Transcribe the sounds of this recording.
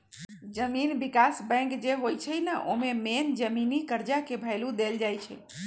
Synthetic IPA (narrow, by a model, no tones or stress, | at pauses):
d͡ʒəminbikasbɛ̃ŋkd͡ʒeɦojt͡ʃʰəjnəʔomemend͡ʒəminikəɾd͡ʒakebʱəɪlud̪eld͡ʒajt͡ʃʰə̰